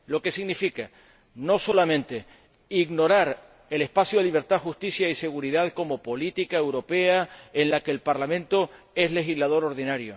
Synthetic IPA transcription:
lo̞ke̞siɣnifika | no̞so̞lamẽnt̪e̞ | iɣno̞ɾaɾ | e̞le̞spasjoðliβ̞e̞ɾt̪aðxust̪isjaise̞ɣ̞uɾiðaðko̞mo̞po̞lit̪ikaewɾo̞pe̞aenlakeːlpaɾlamẽnt̪o̞ | e̞zle̞xizlað̞o̞ɾo̞ɾðinaɾjo̞̰

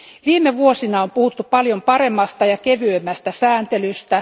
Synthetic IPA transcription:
ʋiːmːˑeʋuosinɑompuhut̪ːupɑljompɑremːɑst̪ɑjɑkeʋyømːæst̪æsæːnt̪elyst̪æ

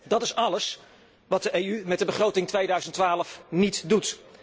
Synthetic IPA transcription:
dɑtɪsɑləs | ʋɑt̚dəʔejymɛt̚dəbəχrowtɪŋtʋejdœɥzəntʋaːləfnitdut

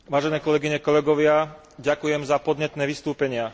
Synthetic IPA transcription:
ʋaːʒɛnɛːkɔlɛɡiɲɛkɔlɛɡɔʋɪa | ɟakujɛmzapɔd̪ɲɛt̪nɛːʋist̪uːpɛɲɪa

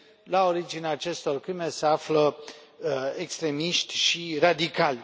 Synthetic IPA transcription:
lao̞ɾid͡ʒineaːt͡ʃe̞st̪o̞rkɾime̞se̞aflə | ekst̪ɾe̞miʃt̪ʲʃirad̪ikalʲ

